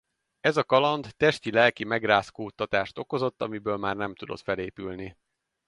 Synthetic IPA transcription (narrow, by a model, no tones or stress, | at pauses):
ɛzɒkɒlɒnd̪t̪ɛʃt̪ilɛlkimɛɡraːskoːt̪ːɒt̪aːʃt̪o̞ko̞zo̞t̪ːɒmibøːlmaːrnɛmt̪ud̪o̞̰t̪fɛleːpylni